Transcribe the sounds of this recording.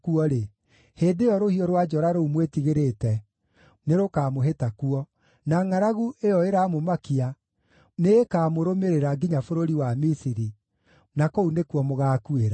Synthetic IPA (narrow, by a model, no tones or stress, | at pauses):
kuɔɾe | heːdeɔɾohiɔɾwad͡ʒɔɾaɾoumwetiɣeɾetɛ | neɾokaːmoɦetakuɔ | naŋaɾaɣuejɔeɾaːmomakia | neːkaːmoɾomeɾeɾaɡiɲafoɾoɾiwamisiɾi | nakounekuɔmoɣaːkueɾa